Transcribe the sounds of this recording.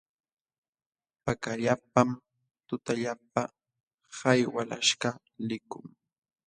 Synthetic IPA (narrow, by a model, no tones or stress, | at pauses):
pakaʎap̚am | t̪ʊt̪aʎap̚a | hajwalaʃka | lɪkʊŋ